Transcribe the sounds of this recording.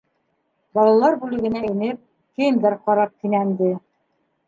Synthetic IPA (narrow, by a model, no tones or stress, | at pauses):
bɑlˠɑlˠɑɾbʉlɘ̆ɡɘ̆næinɘp̚ | kɘjnd̪æɾqɑɾɑp̚t̪inænd̪ɘ